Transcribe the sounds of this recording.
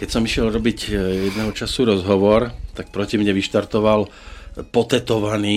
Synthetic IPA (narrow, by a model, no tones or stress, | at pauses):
kɛcsɔmiʃɪɛlɾɔbiɟjɛd̪nɛːɦɔt͡ʃasuɾɔzɦɔʋɔɾt̪ak̚pɾɔcimɲɛʋiʃt̪aɾt̪ɔʋal | pɔt̪ɛt̪ɔʋaniː